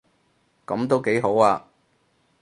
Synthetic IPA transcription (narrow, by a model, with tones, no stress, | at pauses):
kɐ˨˥mt̪o˥wke˨˥jɦo˨˥waː˧